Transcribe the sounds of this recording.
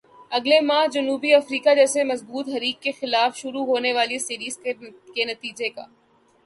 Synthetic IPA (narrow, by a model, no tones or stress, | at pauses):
ɐɡlemãːɦd͡ʒɐnuːbiɐfɾiːkad͡ʒɛːsemɐzbuːt̪ɦɐɾiːkːexɪlaːfʃʊɾuɦoːneʋaːlisiɾiːzkenɐt̪iːd͡ʒeka̰ː